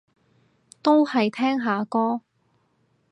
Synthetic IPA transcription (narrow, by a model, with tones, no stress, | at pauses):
t̪o˥whɐ˨jt̪ʰɛː˥ŋɦaː˨˧kɔː˥